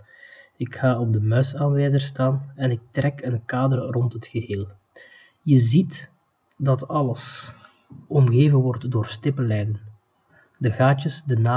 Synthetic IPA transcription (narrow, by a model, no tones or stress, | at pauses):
ɪkxaːɔb̚dəmœɥsaːnʋeːzərstaːnɛnɪk̚trɛkənkaːdərrɔntɦətxəɦeːlˠ | jəzit | dɑtɑləs | ɔmɣeːvənʋɔrtdoːrstɪpəlɛjdən | dəɣaːt͡ʃəsdənaː